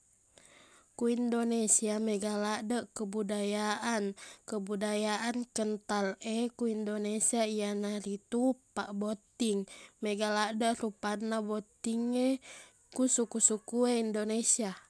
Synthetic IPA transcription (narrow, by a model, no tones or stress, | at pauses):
kuindonesiameɡalaʔdəʔkəbudajaʔankəbudajaʔankənt̪alekuindonesiaijanarit̪upa̰ʔbot̪iŋmɛɡaladəʔrupanːabot̪iŋe | kusukusukueindonesia